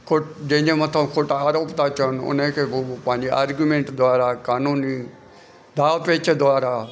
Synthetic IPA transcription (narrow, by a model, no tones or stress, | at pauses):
kʰʊʈd͡ʒẽd͡ʒẽːmət̪ʰəkʰʊʈaaːɾoːpt̪aːt͡ʃənʊ̰nẽːkebopãːɲd͡ʒiaːɾɡjumẽːɳʈd̪oaːɾaːkaːnũːniː | d̪aːpeːt͡ʃʰed̪ʊaːɾaː